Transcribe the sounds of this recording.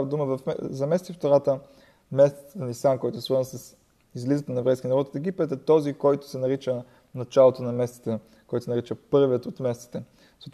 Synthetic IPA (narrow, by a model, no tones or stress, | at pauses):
əd̪uməvɐfzɐmɛst̪ift̪oɾat̪ə | mɛst̪i̥t̪t̪ənisamkɔjt̪ʊsvɤɾznəsəs | izlizət̪ənɐɛvɾɛjskʲinɐɾɔt̪fɛɡ̟ipɛt̪ɛt̪ɔzikɔjt̪ʊ̥sɛnɐɾit͡ʃə | nɐt͡ʃalˠot̪onɐmɛst̪i̥t̪ə | kɔjt̪osɛnɐɾit͡ʃəpɤɾviət̪ot̪mɛst̪i̥t̪ɛ | zət̪